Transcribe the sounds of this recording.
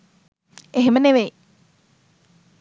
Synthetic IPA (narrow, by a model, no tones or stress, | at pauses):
eɦeməneʋej